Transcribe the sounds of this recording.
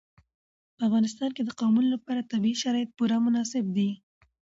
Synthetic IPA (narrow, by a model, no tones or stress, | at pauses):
pəafɣɑnɪst̪ɑnked̪əqɑwmunlapɑɾat̪abiiʃaɾɑjɪt̪̚puɾamʊnɑsɪb̚d̪i